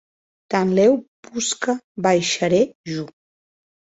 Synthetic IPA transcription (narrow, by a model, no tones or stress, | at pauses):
t̪anlɛwpuskəbajʃəɾeʒu